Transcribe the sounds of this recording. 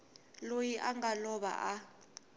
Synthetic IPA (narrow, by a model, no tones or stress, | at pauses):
lojiʔaŋɡalɔɓa̰ʔa